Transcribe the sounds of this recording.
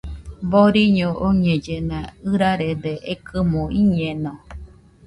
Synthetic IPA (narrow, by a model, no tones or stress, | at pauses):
boɾiɲoʔoɲẽd͡ʒenãɨɾaɾed̪eʔekʰɨmõʔiɲenõ